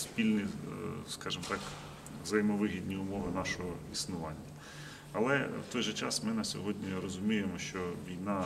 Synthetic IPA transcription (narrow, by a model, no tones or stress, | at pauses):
spʲilʲnʲiskɑʒɪmt̪ɑk | ʋzɐjmɔʋɪɦʲid̪ʲnʲiʊmɔʋɪnɑʃɔɦɔisnʊʋɑnʲːɐ | ɐlˠɛwt̪ɔjʒɛt͡ʃɑ̰smɪnɐsʲɔɦɔdʲnʲirɔzʊmʲijemɔʃt͡ʃɔʋʲijn̪ɑ